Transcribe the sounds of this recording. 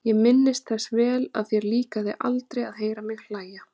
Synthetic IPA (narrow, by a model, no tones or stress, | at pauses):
jɛɣmɪnːɪst̪θɛsvɛːla̰ðθjɛɾliːkaðɪʔa̰lt̪ɾejaðɦeːjɾamɪɣl̥aːja